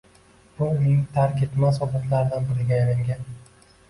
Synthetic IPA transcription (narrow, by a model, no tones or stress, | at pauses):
b̥ʊʊnɪŋt̪ʰaɾkʲet̪masɒbat̪laɾɪd̪anbɪɾɪɡʲajaɾaŋɡʲan